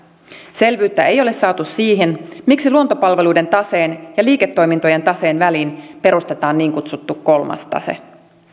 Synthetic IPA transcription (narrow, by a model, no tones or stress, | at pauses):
se̞lʋyːt̪ːæejo̞le̞sːɑːt̪ussiːɦenmiksiluot̪opɑlʋe̞luijde̞nt̪ɑse̞ːnjɑliːke̞t̪ːo̞jmint̪oje̞nt̪ɑse̞ːnʋæliːnpe̞ɾust̪e̞t̪ɑːnːiːŋkut̪sut̪ːukko̞lmɑ̰st̪ɑ̰sḛ